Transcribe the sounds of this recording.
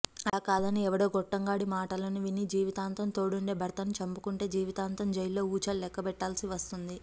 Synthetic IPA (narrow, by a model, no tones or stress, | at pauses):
ɐlaːkaːd̪ɐniɛʋɐɽoːɡɔʈːɐŋɡaːɽimaːʈɐlɐniʋinid͡ʒiːʋit̪aːnt̪ɐmt̪o̞ːɽuɳɖe̞ːbʱɐɾt̪ɐnit͡ʃɐmpukuɳʈe̞ːd͡ʒiːʋit̪aːnt̪ɐmd͡ʒɐjlo̞ːuːt͡ʃɐːllɛkːɐbɛʈːaːlsiʋɐst̪und̪i